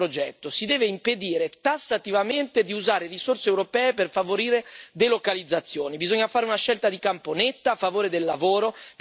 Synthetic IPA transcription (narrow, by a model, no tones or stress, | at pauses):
ɾod͡ʒɛt̪ːosid̪ɛːveimped̪iːɾet̪asːat̪ivament̪ed̪iuzaːɾerisorseːwɾopɛːeperfavoɾiːɾed̪elokalid̪zːat̪sːjoːnibizoɲːafaːɾeunaʃɛlt̪ad̪ikamponet̪ːaːfːavoːɾed̪elːavoːɾop